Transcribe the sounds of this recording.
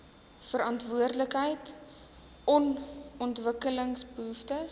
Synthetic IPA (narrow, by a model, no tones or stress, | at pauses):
fəɾɑntvuərdləkɦəjt | ɔnɔntvəkələŋsbəɦuftə